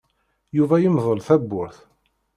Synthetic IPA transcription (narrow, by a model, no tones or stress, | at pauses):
juvæjəmðˤəlθæbːʊɾθ